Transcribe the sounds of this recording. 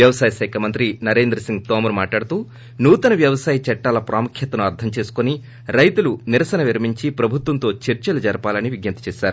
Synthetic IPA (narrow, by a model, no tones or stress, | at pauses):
jɐʋɐsaːjɐsɛːkʰɐmɐnt̪ɾinɐɾe̞ːnd̪ɾɐsiŋɡ̚t̪oːmɐɾmaːʈlaːɽut̪uː | nuːt̪ɐnɐʋjɐʋɐsaːjɐt͡ʃɐʈːaːlɐpɾʔaːmukʰjɐt̪ɐnuɐɾt̪ʰɐmt͡ʃe̞ːsu̥koni | ɾɐjt̪uluniɾɐsɐnɐʋiɾɐmiɲt͡ʃipɾɐbʱut̪ʋɐnt̪o̞ːt͡ʃeɾt͡ʃɐlɐd͡ʒɐɾɐpaːlɐniʋiɡjɐnt̪ɐ̥t͡ʃɛːʃaːɾu